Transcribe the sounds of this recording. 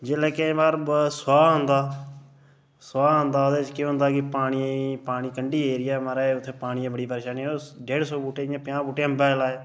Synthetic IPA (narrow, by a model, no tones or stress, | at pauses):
d͡ʒeːlɛːkẽːbaːɾsʊwaːɦʊnd̪aː | swaːɦʊnd̪aːoːd̪eːt͡ʃkjõːɦʊ̃nd̪aːkɪpaːɽ̃iepaːɽ̃iːkəɳɖiːeːɾɪjaːmaɾaːʊt̪ʰːeːpaːɽ̃iãːbəɽiːpəɾeːʃaːnːɖeːɽsoːbuːʈeːɪjãːpjãːbuːʈeːəmbaːlaːeː